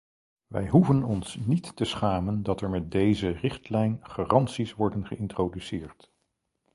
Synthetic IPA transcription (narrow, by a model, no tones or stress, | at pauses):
ʋɛ̰jɦuvənɔnsnitːəsχaːməndɑtɛɹmɛt̚dejzərɪχtlɛjnχaːrɑntsisʋɔɹdənχəɪntrodysɪːɹt